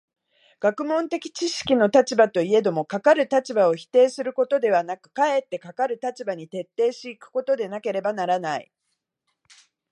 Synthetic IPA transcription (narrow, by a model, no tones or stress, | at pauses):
ɡ̥akɯ̟mõ̞nt̪e̞kʲi̥t͡ɕiɕi̥kʲino̞t̪at͡ɕibat̪o̞ie̞d̪o̞mo̞kakaɾɯ̟t̪at͡ɕibao̞çi̥t̪e̞ːsɨɾɯ̟ko̞t̪o̞d̪e̞β̞anakɯ̟̥kae̞t̪ːe̞kakaɾɯ̟t̪at͡ɕibaɲ̟it̪e̞t̪ːe̞ːɕiikɯ̟̥ko̞t̪o̞d̪e̞nake̞ɾe̞banaɾanaḭ